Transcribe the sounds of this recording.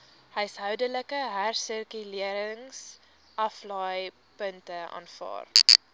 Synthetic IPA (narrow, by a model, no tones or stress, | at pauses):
həɥsɦœwdələkəɦærsərkyliəɾəŋs | ʔɐflɑːj | pəntəɑ̰nfɑ̰ːr